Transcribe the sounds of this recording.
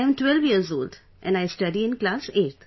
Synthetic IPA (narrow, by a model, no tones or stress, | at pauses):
jɛ̃mʈʋɛlʋjiəɾzoːlɖ | ʔɛ̰̃nɖaɪsʈʌɖiɪ̃nklaːseːʈ̪ʰ